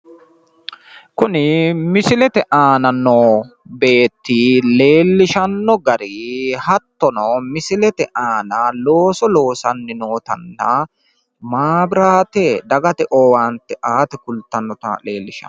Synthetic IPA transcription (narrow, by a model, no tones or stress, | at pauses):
kʊnɪmɪsɪlɛt̪ɛʔaːnɐnːɔbe̞ːt̪ːile̞ːlːɪʃɐnːɔɡɐɾɪhɐt̪ːɔnɔmɪsɪlɛt̪ɛʔaːnɐlo̞ːsɔlo̞ːsɐnːɪno̞ːt̪ɐ̰nːɐ | maːbɪɾaːt̪ɛd̪ɐɡɐt̪ɛʔowaːnt̪ɛʔaːt̪ɛkʊlt̪ːɐnːɔt̪ɐ̰le̞ːlːɪʃɐ̰